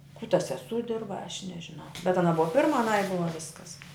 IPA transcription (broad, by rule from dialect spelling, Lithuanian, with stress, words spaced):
kuː tɐ sʲɛˈsuː ˈdʲɪrbɐ ɐʃ nʲɛʒʲɪˈnɐʊ bʲɛt ɐˈnɐ ˈbʊɐ ˈpʲɪrmɐ ɐˈnɐɪ ˈbʊʋɐ ˈʋʲɪskɐs